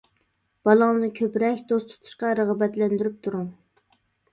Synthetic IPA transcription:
b̥ɑlˠɑŋnɨkʲʰøpɾɛkʲd̪ost̪ʰu̥t̪ʰu̥ʃqɑɾəʁɑbɛt̪lɛnd̪yɾyp̚t̪ʰuɾuŋ

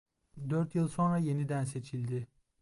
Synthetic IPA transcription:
d̪øɾt̪jɯlˠso̞nɾaje̞nid̪ænse̞t͡ʃʰilʲd̪ɪ

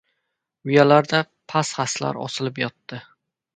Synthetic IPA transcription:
ʊjalaɾd̪a | pʰasχasla̰ɾɒ̰sɪlɪpjɒt̪ːɪ

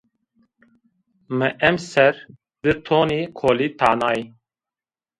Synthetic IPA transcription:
mɨʔɛmsɛɾ | d̪ɨt̪ʰoːniːkʰoːlit̪ʰaːnɑːi

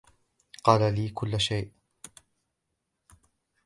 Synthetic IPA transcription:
qɑːlaliːkʊlːaʃajʔ

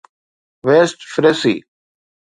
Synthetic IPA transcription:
ʋeːsʈfɾesḭː

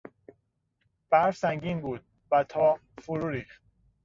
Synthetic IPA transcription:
b̥æɾvsæŋɟiːnbuːd̪̥̚ | væt̪ʰɒː | fuɾuːɾiːχt̪̚

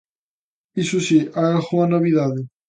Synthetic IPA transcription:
isusiʔaalxuanoβiðaðe

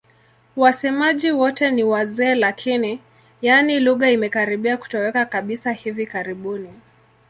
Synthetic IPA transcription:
wasɛmaʄiwɔtɛniwazɛːlakʰini | janiluɣaimɛkaɾiɓiaku̥tɔwɛkakaɓisahivikaɾiɓuni

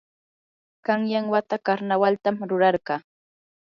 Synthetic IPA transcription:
kɑŋjaŋwat̪akaɾnawalt̪amɾʊɾɑɾɢɑː

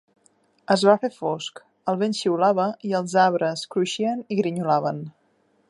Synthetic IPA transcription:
əzβafefɔsk | əlˠβenʃiulaβəiəlˠzaβɾəskɾuʃiəniɣɾiɲulaβən

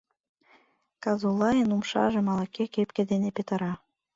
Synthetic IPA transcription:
kɑzulˠɑjənumʃɑ̰ʒɤ̆mɑlɑkekepkĕd̪enepet̪ɑɾɑ

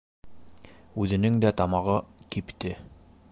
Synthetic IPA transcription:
ʉðɘ̆nɘŋd̪æt̪ɑmɑʁɤkipt̪ɘ

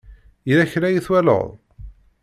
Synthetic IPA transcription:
iɾæçɾæjiθwælə̰ðˤ

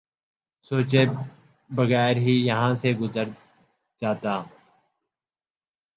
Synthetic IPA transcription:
soːt͡ʃeː | bəɣɛːɾɦiːjəɦãːseːɡʊzəɾ | d͡ʒaːt̪aː

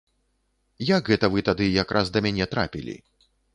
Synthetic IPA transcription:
jaɡɣɛt̪ɐvɨt̪ad̪ɨjakɾʔasd̪ɐmʲanʲɛt̪ɾa̰pʲilʲḭ

